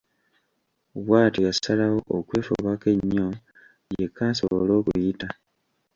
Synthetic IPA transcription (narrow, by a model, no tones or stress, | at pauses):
βwaːtijasalawo̞ʔːkwe̞ːfo̰βake̞ɲːo̞ | je̞kaːso̞̰βolo̞ːkṵjita